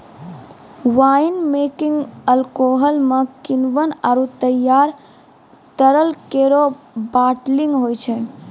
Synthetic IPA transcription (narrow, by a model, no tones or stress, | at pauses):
wainmekiŋɡəlkoɦəlmekinʋənaɾut̪əjaɾ | t̪əɾəlkeɾo | baʈliŋɡɦojt͡ʃʰɛ